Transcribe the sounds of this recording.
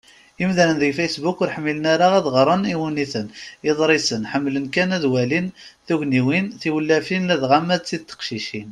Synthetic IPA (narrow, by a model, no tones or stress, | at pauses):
imðænənðəjfæjsbukʊɾħəmːilənaɾaæðʁəɾˤəniwuniθənəðˤɾˤisənħəmːlənkænæðwælinθuʝniwinθiwəlːæfinlæðʁamːæd̪̚t͡sːid̪̚t̪ːə̥qʃiʃin